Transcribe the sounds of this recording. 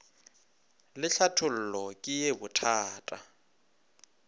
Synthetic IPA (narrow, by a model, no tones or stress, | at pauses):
lɪɬʰatʰʊl̩lɔkʼɪjebʊtʰaːtʼa